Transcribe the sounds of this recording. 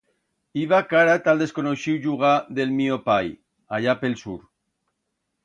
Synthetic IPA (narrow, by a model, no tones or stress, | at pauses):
iβakaɾat̪ald̪eskonoʃiwʒuɣ̞aðelmiopaj | aʎapelsuɾ